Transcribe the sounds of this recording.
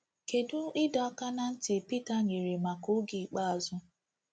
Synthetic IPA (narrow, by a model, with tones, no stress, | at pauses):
ke˨dʊ˦ɪ˦dɔ˨˦ka˦na˦n̩˦tɪ˨pi˦ta˨ɲe˨ɾe˨ma˨kʊ˦ɡi˨k͡pa˦a˨zʊ˦